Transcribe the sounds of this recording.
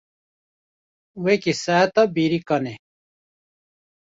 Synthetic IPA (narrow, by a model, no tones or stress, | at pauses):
wekisaːt̪ɐbiɾikɐne